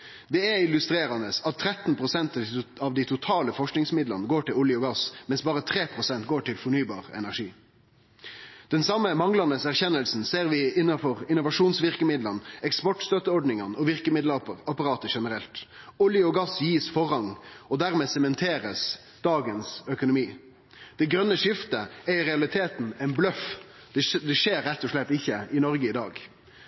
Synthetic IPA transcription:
d̪ɛɛɪlʉst̪ɾeːɾɑnəsɑt̪ʰːɾɛt̪npʰʁʊsɛnt̪ɑʋd̪ɪt̪ʰʊt̪ʰɑːləfɔʂknɪŋsmɪd̪lənəɡoːʈɪlʊljəɔɡɑsmɛnsbɑːɾət̪ʰɾeːpʰɾʊsɛnt̪ɡoːʈɪlfɔɳyːbɑːʁɛ̰næʁʂiː | d̪̥ɛnsɑmːəmɑŋlɑnəsæʁçɛnːəlsn̩seːɾʋɪɪnːɑfɔʁɪnʊʋɑʂuːnsʋɪɾkəmɪd̪lɑnɛkspɔʈst̪œt̪əɔɾɖɳɪŋɑnɔʋɪʁkəmɪd̪lɑpəʁɑpɑɾɑːt̪əʂɛnəɾɛlt̪ɔljəɔɡɑsjiːsfɔʁhɑŋɔd̪æʁmɛːsɛmɛnt̪ʰeːɾəs | d̪̥ɑːɡənsœkʊnʊmiː | d̪̥ɛɡɾœnːəʂɪft̪əɛɪɾɛɑlɪt̪ʰeːt̪nɛɪnblœf | d̪d̪ɛʂeːɾːɛt̪ːɔʂɭɛt̪ːɪçːəɪnɔɾɡəɪd̪ɑːɡ

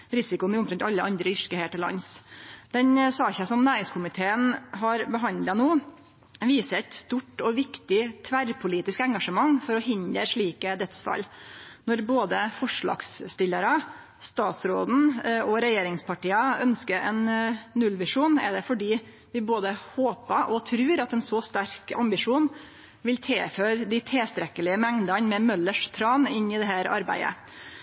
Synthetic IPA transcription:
ɾɪsɪkʊnʊmɾɛnt̪ɑlːəʔɑnd̪ɾəʏʂkəheːʈɪlːɑ̰nsd̪̥ɛnsɑːçəsɔmnæːɾɪŋskʰʊmɪt̪ʰeːənɦɑɾbəɦɑnd̪lɑnoː | ʋiːsəɾɛt̪st̪uːʈɔʋɪkt̪ɪt̪ʰʋæɾpʰʊliːt̪ɪskɛŋɡɑʂəmɑŋːfɔɾɔhɪnd̪əɾʂɭiːkəd̪ɛt̪sfɑ̰lnɔɾboːd̪əfɔʂɭɑ̰ːɡsːt̪ɪlːəɾə | st̪ɑːt̪sɾoːd̪n̩ɔɾɛjeːɾɪŋspʰɑʈiːɑœnskəɾɛ̰nnːʉlːʋɪʂuːnɛ̰ɖɛfɔɖiː | ʋɪboːd̪əhoːpəʔɔt̪ʰɾʉːɾɑt̪ɛnsɔst̪æɾkɑ̰mbɪʂuːn | ʋɪlt̪ʰeːføːɾd̪ɪt̪ʰeːst̪ɾɛkəlɪəmɛŋd̪ɑnmɛmœlːəʂt̪ʰɾɑːnɪnːɪd̪ɛɦæːɾɑ̰ɾbæ̰ɪə̰

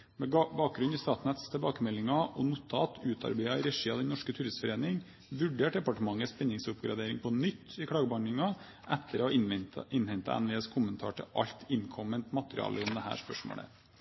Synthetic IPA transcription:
mɛbɑːk̚ɡɾʉnist̪ɑːt̪nɛt̪st̪ʰɛlbɑːkəmɛlːɪŋɑʔɔnut̪ʰɑ̰ːt̪ʰʉːt̪ʰɑ̰ɾbɛɪɑɾɛʂiːɑd̪ɛnnɔʂkət̪ʰyːɾɪsfɔɾeːnɪŋ | ʋʉɖeːʈd̪ɛpɑʈəmɑŋːəspɛnːɪŋsʊpɡɾɑ̰d̪eːɾɪŋpʰɔnʏt̪ːɪkʰɽɑːɡəbɑɳɖɪŋɑ | ʔɛt̪ːəɾɔɪnhɛnt̪ə̰ɛ̰nʋɪɛskʰʊmənt̪ʰɑ̰ːʈʰɪ̰ʔɑ̰ʎt̪ʰɪnkʰɔmənt̪mɑt̪əɾɪ̰ɑ̰ːləʊmd̪ɛhæ̰ːʂpœʂmo̰ːɽə̰

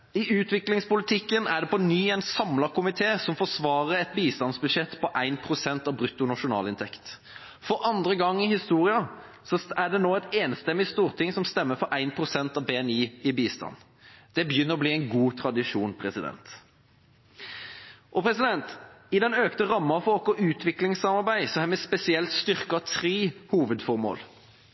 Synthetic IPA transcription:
ɪʉːt̪ʋɪklɪŋspʊlɪt̪ʰɪkːənæɖ̪ɛpɔnyːæɪnsɑmlɑkʰʊmɪt̪ʰeːsɔmfɔsʋɑːʁəɛt̪biːst̪ɑnsbʉʂɛt̪ːpʰɔʔæɪnpʰɾʊsɛnt̪ɑʋbɾʉt̪ːʊnɑʂʊnɑ̰ːlɪnt̪ʰɛkt̪ | fɔɾɑnd̪ɾəɡɑŋːɪhɪst̪uːʁɪɑ | sɔæɖɛnoːɛt̪eːnst̪ɛmːɪst̪uːʁt̪ʰɪŋsɔmst̪ɛmːəfɔɾʔæɪnpʰʁʊsɛnt̪ɑʋbeːɛniːɪbiːst̪ɑ̰nː | d̪̥ɛbəjʏnːəɾɔbliːæɪnɡuːt̪ʰɾɑd̪ɪʂuːnpʰɾɛsɪd̪ɛ̰nt̪ | ʔɔpʰɾɛsɪd̪ɛnt̪ɪd̪ɛnøːkt̪əʁɑmːɑfɔlkɔʉːt̪ʰʋɪklɪŋsɑmɑɾbæɪsɔhæːɾmɛspɛsɪɛlt̪st̪ʏɾkɑt̪ʰɾeːhuːʋəd̪fɔʁmo̰ːl

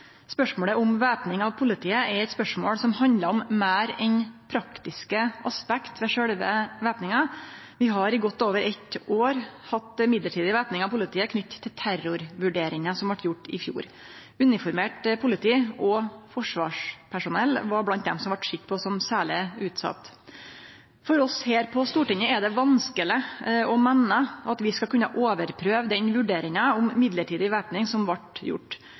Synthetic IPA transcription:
spœʂmoːɽəʔɔmʋeːpnɪŋɑʋpʰʊlɪt̪ʰiːəʔɛɾɛt̪spœʂmoːɽsɔmhɑnd̪ləɔmːæːɾɛnpʰɾɑkt̪ɪskəʔɑspɛkt̪ʋɛʂɛɽʋə̰ʋeːpnɪŋə | ʋɪɦɑɾɪɡɔt̪ːoːʋəɾʔɛt̪ːʔoːɾhɑt̪ːmɪd̪ləʈʰiːd̪ɪʋæːpnɪŋɑʋpʰʊlɪt̪ʰiːəkʰnʏt̪ːt̪ʰːɪlt̪ʰæɾʊɾʋʉɖeːɾɪŋəsɔmʋæʈjʊʈːɪ̰fjṵːɾ | ʉnɪfɔɾmeːʈpʰʊlɪt̪ʰiːʔɔfɔʂʋɑ̰ːʂpʰæʂʊnɛlːʋɑɾblɑnt̪̚d̪ɛmsɔmʋɑʈʂɪkːpʰɔsɔmsæːɭɪʉːt̪sɑ̰t̪ː | fɔɾɔsheːɾpʰɔst̪uːʈɪŋːəɛd̪ɛʋɑnskəlɪɔmɛnːəɑt̪ʋɪskɑkʉnːəʔoːʋəɾpʰɾøːʋd̪ɛnʋʉɖeːɾɪŋəʊmmɪd̪ləʈʰiːd̪ɪʋæːpnɪŋsɔmʋɑʈjʊ̰ʈː

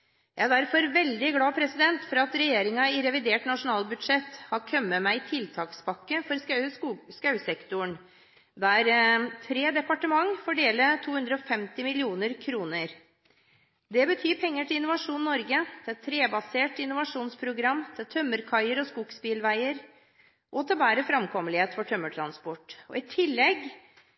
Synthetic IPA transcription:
jæɪæɖ̪æɾfɔɾʋɛld̪ɪɡlɑːpʰɾɛsɪd̪ɛnt̪fɔɾɑt̪ɾɛjeːɾɪŋɑɪɾɛʋɪd̪eːʈnɑʂʊnɑːlbʉd̪ʂɛt̪hɑɾkʰœmːəmæɪɪt̪ʰɪlt̪ʰɑːkspʰɑkːəfɔɾ | skɑʉsɛkt̪ʊəɳ | d̪ææɾt̪ʰɾeːd̪ɛpɑʈəmɑŋfɔɖeːlət̪ʰuːhʉnd̪ɾəɔfɛmt̪ɪmɪlɪuːnəɾkʰɾuːnəɾ | d̪ɛbət̪ʰyːpʰɛŋːəʈʰɪlɪnʊʋɑʂuːnnːɔɾɡət̪ʰɪɛt̪ʰːɾeːbɑseːʈɪnːʊʋɑʂuːnspʰɾʊɡɾɑmːt̪ʰɪlt̪ʰœmːəɾkʰɑɪəɾɔskuksbiːlʋæɪəɾ | ʔɔt̪ʰɪlbæːɾəfɾɑmkʰɔməlɪheːt̪fɔʈʰœmːəʈʰɾɑnspɔʈːɔ̰ɪt̪ʰɪlːɛɡ

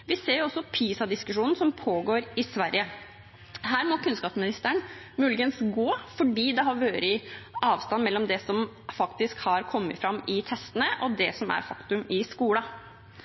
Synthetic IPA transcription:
ʋɪseːɾjʊɔsːɔpʰiːsɑd̪ɪskʉʂuːnn̩sɔmpʰoːɡoːɾɪsʋæɾjə | hæːɾmɔkʰʉnskɑːpsmɪnɪst̪əɳ | mʉːlɪɡənsɡoːfɔɖiːd̪ɛɦɑɾʋøːɾɪʔɑːʋst̪ɑnmɛlːɔmd̪ɛsɔmfɑkt̪ɪskhɑɾkʰɔmːə̰fɾɑmɪt̪ʰɛst̪ənəʔɔd̪ɛsɔmæ̰ɾfɑkt̪ʉmɪskuːlɑ

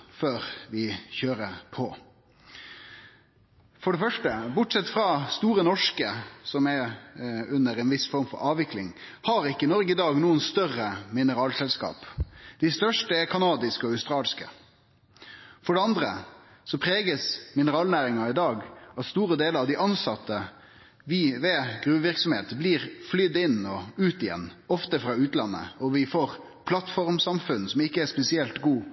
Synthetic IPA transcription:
føːɾʋɪçøːɾəpʰɔ | fɔɖɛfœʂʈəbʊʈsɛt̪ːfɾɑst̪uːɾənɔʂkəsɔmɛ | ʉnːəɾɛnʋɪsfɔɾmfɔ̰ɾɑːʋʋɪklɪ̰ŋhɑɾɪkːəɪnɔɾɡəɪd̪ɑːɡnuːənst̪œrəmɪnəɾɑːlsɛlskɑ̰ːpd̪̥ɪst̪œʂʈəɛkʰɑnɑːd̪ɪskɔœʉst̪ɾɑːlskə̰ | fɔɖɛɑnd̪ɾə̰ | sɔpʰɾeːɡəsmɪnəɾɑːlnæːɾɪŋɑɪd̪ɑːɡɑt̪st̪uːɾəd̪eːləɑʋd̪ɪʔɑnsɑt̪ːə | ʋɪʋɛɡɾʉːʋɪɾksɔmhḛːt̪bliːʁflʏd̪ɪnːɔʉːt̪ɪjɛ̰nːɔft̪əfɾɑːʉːt̪lɑnːə̰ɔʋɪfoːʁ | pʰlɑt̪fɔʁmsɑmfʉnsɔmɪkːəɛspɛsɪɛlt̪ɡuː

